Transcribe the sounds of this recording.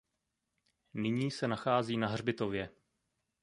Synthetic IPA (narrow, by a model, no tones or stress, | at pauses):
nɪɲiːsɛnaxaːziːnaɦr̝bɪt̪o̞vjɛ